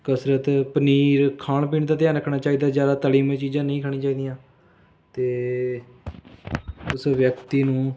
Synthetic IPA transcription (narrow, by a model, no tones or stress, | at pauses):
kəsɾət̪pəniːɾkʰaːɳp̬iːɳd̪aːt̪̬ɪjaːnɾəkʰɳaːt͡ʃaːiːd̪aːzjaːd̪aːt̪əliːmet͡ʃiːd͡ʒãːnəĩːkʰaːɽ̃ĩːt͡ʃaːiːd̪ijãː | t̪eː | ʊsʋjəkt̪iːnũː